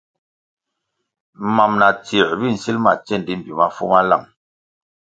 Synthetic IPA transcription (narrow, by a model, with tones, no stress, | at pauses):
ma˨mna˨t͡si˨ɾbi˦˨n̩˨si˦lma̰˨t͡sɛ˦˨n˨di˦m̩˨bu˨ma˦fṵ˦ma˦la̰˦˨m